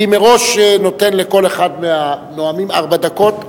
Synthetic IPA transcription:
imeʁo̞ʃeno̞t̪enleko̞le̞χad̪meanoamima̰ʁbad̪ako̞t̪

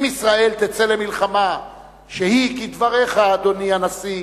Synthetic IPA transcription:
misʁae̞lt̪et͡sele̞milχama | ʃehikid̪vaʁeχaːd̪o̞nianasi

